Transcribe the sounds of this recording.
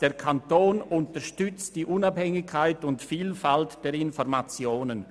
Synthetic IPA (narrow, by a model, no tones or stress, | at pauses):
d̥eːɾkʰantoːnʊntəʃtʏt͡std̥iːʔʊnabhɛŋɪkʰːaɪtʊntfiːlfaltd̥ɛːɾɪnfɔɾmat͡sjoːnən